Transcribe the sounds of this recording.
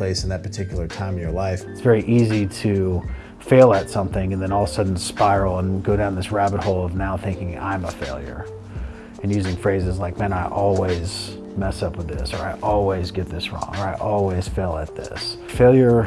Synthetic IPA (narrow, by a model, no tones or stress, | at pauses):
l̥eɪsn̩ðɨt̚pʰə˞tʰɪkjl̩ˠə˞tʰãɪ̃mʌvjə˞laɪfɨtsv̥ɛɹiʔiziɾɨ | feɪlˠɨtsʌ̃mθɪ̃ŋɨ̃nðɨ̃ñɔlˠsʌdⁿn̩z̥spaɪɹl̩ˠə̃nɡoʊɾãʊ̃nðɪsɹæbət̚hoʊlˠʌvnaʊθɪ̃ŋkɪ̃ŋã̰ɪ̃məfeɪlˠjə̰˞ | ɨ̃njʉzɪ̃ŋfɹeɪzɨzlaɪk̚mɛ̃ñaɪʔɔlˠwiz̥ | mɛsʌpwɨðɪsə˞aɪʔɔlˠwizɡɛt̪̚ðɪsɹɔ̰̃ŋə˞aɪʔɔlˠwiz̥feɪlˠət̪̚ðɪ̰s | feɪlˠjə˞